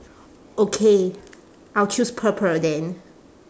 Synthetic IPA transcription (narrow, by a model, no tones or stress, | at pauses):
okʰe | ʔaɪlt͡ʃʰuspʰəpʰə˞dɛ̃n